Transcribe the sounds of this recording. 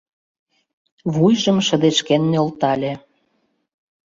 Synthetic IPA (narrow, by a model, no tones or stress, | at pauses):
βujʒə̆mʃə̆d̪eʃkenːolt̪ɑlʲe